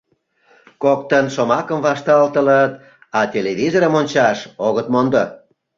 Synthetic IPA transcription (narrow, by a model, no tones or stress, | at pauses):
kok̚t̪ənʃomɑkəmvɑʃt̪ɑlt̪ələt̪ | ɑt̪ʲeleβʲizoɾəmonʲt͡ɕɑʃoɣət̪mond̪o